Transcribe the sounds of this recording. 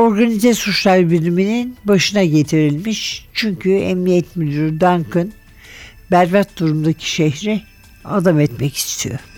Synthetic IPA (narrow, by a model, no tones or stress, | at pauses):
o̞ɾɡanizɛsut͡ʃlˠaɾbiɾlʲimininbaʃɯnaɟet̪ʰiɾilʲmiʃt͡ʃʰyɲcʰyɛ̰mnijɛt̪mid̪ʲyɾd̪aŋkʰɯn | bæɾvɛt̪̚d̪uɾumd̪acʰi̥ʃeɦɾi | a̰d̪amɛt̪mɛci̥st̪ʰijo̰